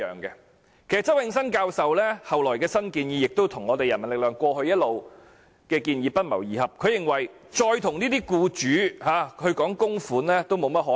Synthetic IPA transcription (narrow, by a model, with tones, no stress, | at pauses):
œ̰ː˨ŋkɛ˧ | kʰe˨˩jsɐ˨˩t͡sɐ˥wjɪ˧ŋsɐ˥nkaː˧wsɐ˨wlɛː˥hɐ˨wlɔː˨˩jkɛː˧sɐ˥nkiː˧njiː˨˧jɪ˨k̚t̪o˥wt̪ʰʊ˨˩ŋɔː˨˧t̪e˨jɐ˨˩nmɐ˨˩nlɪ˨k̚lœː˨ŋkʷɔː˧ɦɵ˧ɥjɐ˥t̚lo˨w | kɛː˧kiː˧njiː˧pɐ˥t̚mɐ̰˨˩wjiː˨˩hɐ˨p̚kʰɵ˨˧ɥjɪ˨ŋwɐ˨˩j | t͡ʃɔː˧jt̪ʰʊ˨˩ŋniː˥t̪iː˥kuː˧t͡ʃyː˨˧˥haː˨˧hɵ˧ɥkɔː˨˥ŋkʊ˥ŋfuː˨˥nlɛː˥t̪o˥wmo˨˧wmɐ˥t̚ɦɔː˨˥